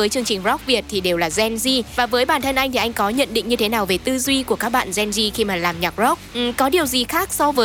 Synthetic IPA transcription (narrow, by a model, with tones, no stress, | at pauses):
əː˨˦jt͡ɕɨ˧əŋt͡ɕï˨˩ŋ̟zɔ˦˥k͡p̚vi˨˩ət̚t̪ʰi˨˩ɗe˨˩wlaː˨˩zɛ˧nzi˧vaː˨˩vəː˨˦jɓaː˧˩nt̪ʰə˧nʔa˧jt̪ʰi˨˩ʔa˧jŋ̟kɔ˨˦ɲə̰˧˨nɗḭ˧˨ŋ̟ɲɨ˧t̪ʰe˨˦naː˨˩wve˨˩t̪ɨ˧zwi˧ku˧˩əkaː˦˥k̚ɓa̰ː˧˨nzɛ˧nzi˧xi˧maː˨˩laː˨˩mɲa˨˩k̚zɔ˦˥k͡p̚ʔkɔ˨˦ɗi˨˩əwzi˨˩xaː˦˥k̚sɔ˧vəː˨˦